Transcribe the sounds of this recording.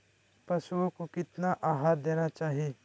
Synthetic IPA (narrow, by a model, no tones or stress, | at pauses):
pɐʃuõkokɪt̪naʔaːɦaːɾd̪eːnat͡ʃaːɦieː